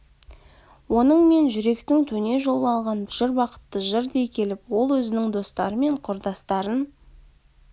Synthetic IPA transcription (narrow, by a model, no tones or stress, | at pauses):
wo̞nəɴme̞nʒʏɾe̞kt̪ɪŋt̪ʰɵne̞ʒo̞lˠəɑlˠʁɑnbɪʒɪɾbwɑqə̥t̪ːəʒəɾd̪e̞jkʲʰe̞lɪpwo̞lˠwɵzɪnɪŋd̪o̞st̪ɑɾəme̞ɴqʰʊɾd̪ɑst̪ɑɾən